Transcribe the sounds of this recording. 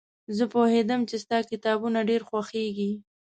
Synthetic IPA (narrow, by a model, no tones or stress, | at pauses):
zəpohed̪əmt͡ʃest̪ɑkɪt̪ɑbunaɖeɾxwaxeɡi